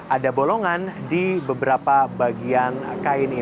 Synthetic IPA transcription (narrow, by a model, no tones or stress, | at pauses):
ʔadaboloŋandibəbəɾapabaɡiankaɪni